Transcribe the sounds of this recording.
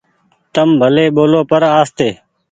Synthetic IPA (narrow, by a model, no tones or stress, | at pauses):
t̪əmbʱəleːɓoːloːpəɾaːst̪eː